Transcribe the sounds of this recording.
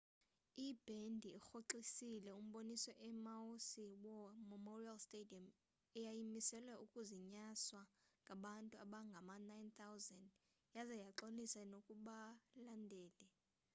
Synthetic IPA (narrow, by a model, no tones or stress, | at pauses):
ib̥ʱendʱiːxoǁisilɛum̩ɓonisɔʔɛmaosiwɔmɛmɔrialstediam | ɛjajimisɛlwɛukʼuziɲaswaŋɡʱaɓantʼuaɓaŋɡʱamanajnt̪ʰawzɛnd | jazɛjaǁolisanokʼuɓalandʱɛːlɛ